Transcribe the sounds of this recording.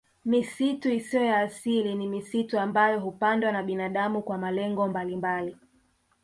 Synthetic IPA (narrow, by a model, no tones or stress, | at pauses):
misituisiɔjaːsilinimisituambajɔɦupandwanaɓinaɗamukwamalɛŋɡɔmbalimbali